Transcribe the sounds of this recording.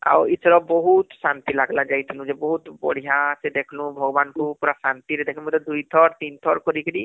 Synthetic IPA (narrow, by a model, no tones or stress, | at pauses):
a̰wisɔɾɔbɔɦut̪sant̪ilaɡlad͡ʒajt̪ʰinũzɛbɔɦut̪bɔ̰ɽ̤iɦasɛd̪ekʰlʊ̃bʱɔɡɔbanbɔɦupuɹasant̪iɾɛd̪ɛkʰmɔjt̪ɔd̪ujt̪ʰɔɹt̪int̪ʰɔɹkɔɾikʰini